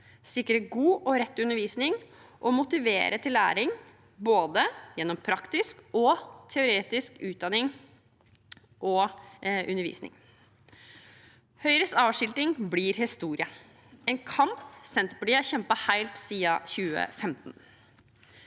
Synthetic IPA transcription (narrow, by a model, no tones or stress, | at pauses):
sɪkːəɾəɡuːʔɔɾɛt̪ːʉnːəɾʋiːsnɪŋ | ʔɔmʊt̪ɪʋḛːɾʔət̪ʰɪlːæ̰ːɾɪŋ | boːd̪əjɛnːɔmpʰɾɑkt̪ɪskɔt̪ʰɛʊɾeːt̪ɪskʉːt̪̚d̪ɑnɪŋ | ʔɔʔʉnːəɾʋḭːsnɪ̰ŋ | hœʏɾəsɑːʋʂɪlt̪ɪŋbliːɾhɪst̪uːɾɪə | ɛnkʰɑmpsɛnt̪əpʰɔd̪iæçɛmpəhæɪlt̪siːəçʉːə̰fɛmt̪n